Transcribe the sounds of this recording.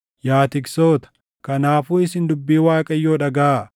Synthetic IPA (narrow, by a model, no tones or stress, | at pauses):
jaːt̪ɪɡso̞ːt̪ɐ̥ | kɐnaːfuːɪsɪnd̪ʊbːiːwaːkʼɐjːoːᶑɐɡɐa